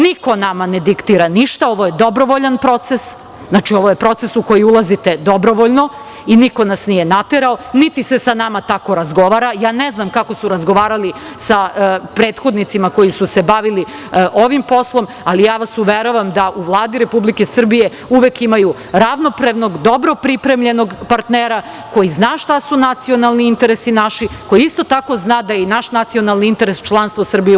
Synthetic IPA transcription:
niko̞namaned̪ikt̪iːɾaniʃt̪ao̞ʋoje̞d̪o̞bɾo̞ʋoʎanpɾo̞t̪se̞s | znaːt͡ʃioʋo̞je̞pɾo̞t̪sesuko̞jiulˠazit̪e̞d̪o̞bɾo̞ʋoʎno̞ | iniko̞nasnije̞nat̪eɾaonit̪isesanamat̪ako̞ɾazɡo̞ʋaːɾajaːneznamkako̞suɾazɡoʋaːɾali | sapɾeːt̪xo̞d̪nit̪simako̞jisuse̞baʋili | ʔo̞ʋimpo̞slˠo̞m | alijaːʋasuʋeɾoʋamd̪aʔuʋlˠaːd̪iɾe̞publikesr̩bije̞ | uʋekimaju | ɾaʋno̞pɾaʋno̞ɡd̪o̞bɾo̞pɾipɾe̞mʎe̞no̞ɡpaɾt̪neɾa | ko̞jiznaːʃt̪asunat̪sio̞nalˠniint̪e̞ɾesinaʃiko̞jiist̪o̞t̪ako̞znaːd̪ajinaʃnat̪sio̞nalˠniint̪e̞ɾest͡ʃlˠanst̪ʋosr̩bije

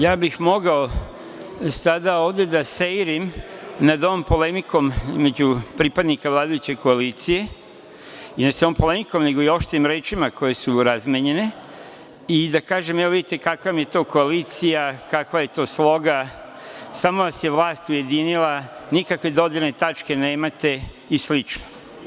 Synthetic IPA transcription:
jaːbixmo̞ɡao | sad̪aoːʋd̪e̞d̪asejɾimnad̪oʋompo̞le̞mikʰo̞mizme̞d͡ʑupɾipad̪nikaʋlˠaːd̪ajut͡ɕe̞ko̞aliːt̪sije̞ | inasoompo̞le̞miko̞mne̞ɡo̞io̞ʃt̪eimɾe̞ːt͡ʃimako̞je̞suɾazmjeɲe̞ne̞ | id̪akaːʒe̞mɛoid̪it̪ekakamje̞t̪o̞ːko̞aliːt̪sijakakʋaje̞t̪o̞ːslˠo̞ɡa | samo̞ʋasje̞ʋlˠaːst̪uje̞d̪inilˠanikakʋe̞d̪o̞d̪iɾne̞t̪at͡ʃke̞ne̞ːmat̪e̞ | islit͡ʃno

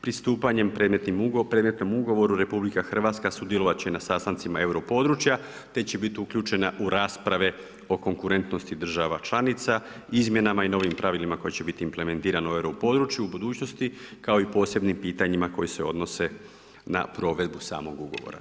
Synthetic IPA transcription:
pɾist̪uːpaɲe̞mpɾed̪met̪nimpɾed̪me̞t̪no̞muɡo̞ʋo̞ɾuɾe̞publikaxr̩ʋat̪skasud̪jeloʋat̪̚t͡ɕenasast̪ant̪simae̞wɾo̞po̞d̪ɾut͡ʃja | t̪e̞t͡ɕe̞bit̪iukʎʲuːt͡ʃe̞naʔuɾaːspɾaʋe | o̞ko̞ŋkuɾe̞nt̪no̞st̪id̪r̩ʒaʋat͡ʃlˠanit̪sa | izmje̞namaino̞ʋimpɾʔaʋilimako̞jit͡ɕe̞bit̪iːmple̞me̞nt̪iːɾanoe̞wɾo̞po̞d̪ɾut͡ʃjuubud̪uːt͡ɕno̞st̪ikao̞ipo̞ːse̞bnimpiːt̪aɲimako̞jise̞o̞̰d̪no̞se̞ | na̰pɾo̞ʋe̞d̪busa̰ːmo̞ɡuɡo̞̰ʋo̰ɾa̰

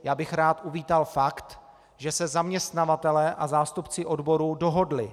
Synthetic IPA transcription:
jaːbɪxɾaːt̪ʔuviːt̪alfakt̪ | ʒɛsɛzamɲɛst̪navat̪ɛlɛːʔazaːst̪upt͡sɪʔo̞dbo̞ɾuːdo̞ɦo̞dlɪ

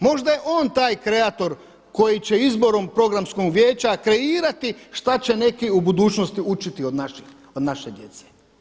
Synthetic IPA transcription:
mo̞ʒd̪ajeʔoːnt̪aːjkɾe̞at̪o̞ɾ | ko̞jit͡ɕe̞izbo̞ɾo̞mpɾo̞ɡɾamskoɡʋje̞ːt͡ɕakɾe̞iːɾat̪iʃt̪at͡ɕe̞ne̞kiubud̪uːt͡ʃnost̪iut͡ʃit̪io̞d̪naʃix | od̪naʃed̪je̞t̪se̥

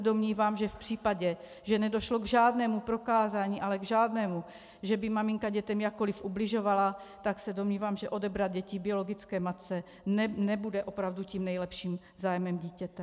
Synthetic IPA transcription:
do̞mɲiːvaːmʒɛfpr̝̥iːpaɟɛ | ʒɛnɛdo̞ʃlo̞ɡʒaːdnɛːmupɾo̞kaːzaːɲiːʔalɛɡʒaːdnɛːmu | ʒɛbɪmamɪŋkaɟɛt̪ɛmjakːo̞lifublɪʒo̞valat̪aksɛdo̞mɲiːvaːmʒɛʔo̞dɛbɾad̪̚ɟɛcɪbɪo̞lo̞ɡɪt͡skɛːmat̪t͡sɛ | nɛbudɛʔo̞pɾavduciːmnɛjlɛpʃiːm | zaːjmɛmɟiːcɛt̪ɛ

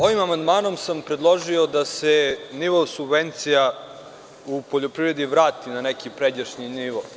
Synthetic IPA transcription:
o̞ʋimamand̪maːno̞msampɾe̞d̪lˠo̞ʒio̞d̪aseniʋosubve̞nt̪sija | upoʎo̞pɾiʋɾe̞d̪iʋɾaːt̪inanekipɾed͡ʑaʃɲiniʋo

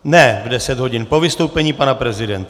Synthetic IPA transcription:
nɛvdɛsɛd̪ɦo̞ɟɪnpo̞vɪst̪o̞wpɛɲiːpanapɾɛzɪdɛnt̪

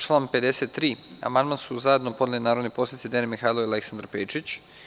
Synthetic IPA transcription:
t͡ʃlˠaːnpe̞d̪e̞set̪ːɾiːa̰mand̪mansuzaed̪nopo̞d̪elinaːɾod̪nipo̞sanit̪id̪enemixajlˠoileksand̪ɾapeːt͡ʃit͡ɕ

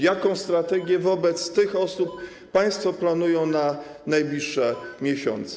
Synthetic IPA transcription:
jakɔ̃w̃st̪ɾat̪ɛɡʲjɛvɔbɛt̪st̪ɘxɔsupː | aj̃st̪fɔplanujɔ̃w̃na | najblʲiʂːɛmʲjɛɕɔ̰nt̪sɛ

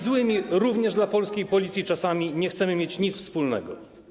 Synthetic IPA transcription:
zwɘmʲiɾuvɲɛʐd̪lapɔlskʲejpɔlʲit̪sʲjit͡ʂasamʲiɲɛxt̪sɛmɘmʲjet͡ɕɲit̪sfspulnɛ̰ɡɔ̰

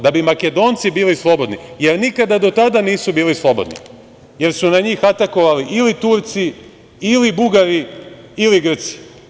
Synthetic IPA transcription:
d̪abimaked̪oːnt̪sibiːlislˠo̞bo̞d̪nije̞ɾnikad̪ad̪o̞t̪ad̪aniːsubiːlislˠo̞bo̞̰d̪nḭ | je̞ɾsunaɲiːxat̪ako̞ʋaliʔilit̪uɾt̪si | ilibuɡaɾi | iliɡr̩t̪si̥

